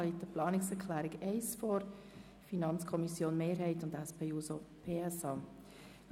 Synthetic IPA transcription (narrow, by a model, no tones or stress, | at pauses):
lit̪əplɑːnɪksɛkʰlæːɾɪɡɛɪsfɔɾ | finɑnt͡skʰɔmisjoːnmeːɾɦhɛɪtʊndɛspʰeːuːsopʰeːɛsɑː